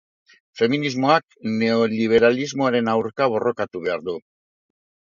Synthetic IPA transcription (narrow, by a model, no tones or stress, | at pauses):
fe̞minizmo̞akne̞o̞liβ̞e̞ɾalizmo̞aɾe̞nawɾkaβ̞o̞rʔo̞kat̪uβe̞aɾðu